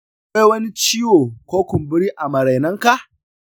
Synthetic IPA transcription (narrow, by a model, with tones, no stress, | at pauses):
e˦jwɐ˦ni˦t͡ʃiː˦woː˨kʷoː˦kʷʊ˨mbɪ˦ɾiː˦ʔa˨mɐ˨ɾa˨jnɐ˦ŋka˨ʔ